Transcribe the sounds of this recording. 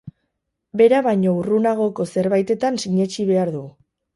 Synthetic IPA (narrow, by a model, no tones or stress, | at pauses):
be̞ɾaβajɲo̞urunaɣ̞o̞ko̞se̞ɾβajt̪e̞t̪ansiɲe̞t͡ʃiβ̞e̞aɾðu